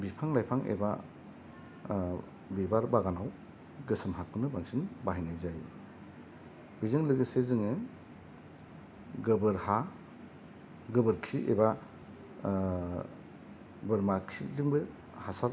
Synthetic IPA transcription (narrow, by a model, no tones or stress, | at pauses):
bipʰaŋlajpʰaŋʔḛba̰ | bibaɾbaɡanaw | ɡɯsɯmɦakʰunɯbaŋsinbaɦijnajzaj | b̥izɯŋlɯɡɯsezɯŋɯ | ɡɯbɯɾha | ɡɯbɯɾkʰiʔḛba | bɯɾmakʰizɯŋbɯ | hasa